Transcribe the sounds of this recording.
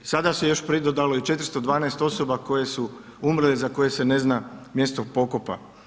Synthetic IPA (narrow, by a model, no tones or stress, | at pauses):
sad̪asejo̞ʃpɾid̪od̪aloit͡ʃe̞t̪ɾ̩st̪o̞d̪ʋaːneːst̪o̞sobako̞je̞suumɾlezako̞je̞se̞ne̞znamje̞st̪opo̞kopa̰